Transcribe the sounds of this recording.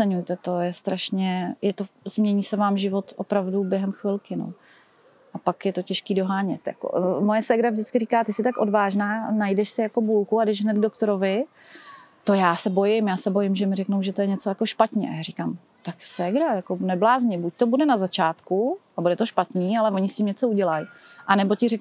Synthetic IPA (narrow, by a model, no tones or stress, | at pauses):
ɛɲujt̪ɛt̪o̞jɛst̪ɾaʃɲɛjɛt̪o̞zmɲɛɲiːsɛvaːmʒɪvo̞t̪ʔo̰pɾavdubjɛɦɛmxvɪlkɪno̰ | ʔapakjɛt̪ocɛʃkiːdo̞ɦaːɲɛt̪ja̰ko̰mo̞jɛsɛɡɾavʒdɪt͡skɪriːkaːt̪ɪsɪt̪akʔo̞dvaːʒnaːnajdɛʃsɪjako̞bulkuadɛʒɦnɛd̪ɡdo̞kt̪oɾovɪ | t̪o̞jaːsɛbo̞jɪmjaːsɛbo̞jɪmʒɛmɪɾɛknowʒɛt̪o̞jɛɲɛt͡so̞jako̞ʃpat̪ɲɛ̰ajaːrikaːm | t̪aksɛɡɾajako̞nɛblaːzɲɪbuc̚t̪o̞budɛnazat͡ʃaːt̪kuabudɛt̪oʃpat̪niːalɛvo̞ɲɪscɪmɲɛt͡so̞uɟɛlajʔanɛbo̞cɪrɛk